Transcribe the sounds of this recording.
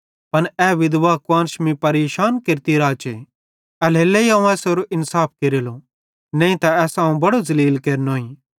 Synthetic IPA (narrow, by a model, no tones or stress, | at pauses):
pɐnɛːʋɪd̪ʋaːkwãːnʃmĩpɐɾeːʃaːnkeɾt̪iɾaːt͡ʃe | ɛleːlːɛiãːũɛːsoɾoʔɪnsaːp̚ʰkeɾelo | nɛ̃ːĩt̪aɛːsãːũbɐɽozɐliːlkeːɾnoːĩː